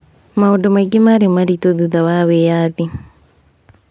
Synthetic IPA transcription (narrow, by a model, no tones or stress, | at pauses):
maudomaɡimaɾemaɾitoðuðawawejaði